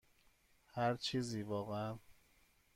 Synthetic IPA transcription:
hæɾt͡ʃʰiːziːvɒːɣeæn

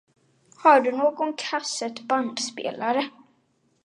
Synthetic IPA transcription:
haɖɵnoːɡɔnkʰasːət̪band̪spḛːlaɾə

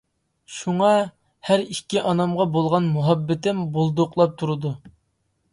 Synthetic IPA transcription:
ʃuŋɑ | hæɾikʲːiʔɑnɑmʁɑbolˠʁɑnmuɦɑbːɪt̪ɪmbolˠd̪ʊqlˠɑp̚t̪ʰuɾɨd̪u

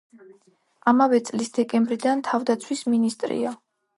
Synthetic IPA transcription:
amavɛt̪sʼlisd̪ɛkʼɛmbɾid̪ant̪ʰavd̪at̪sʰwisminist̪ʼɾḭa

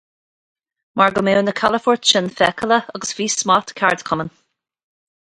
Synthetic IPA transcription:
maɹɡəmewnəkʰaləfɔɹtʃɪnfɛkʰələəɡəsv̥iːsmɑt̪kʰaɹd̪kʰʊmən

